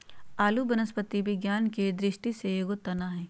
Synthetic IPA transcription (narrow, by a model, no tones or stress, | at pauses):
aːlubənəspət̪ibʱiɡjaːnked̪ɾɪʃʈisejoɡot̪ːɐnaːɦɛ̃ː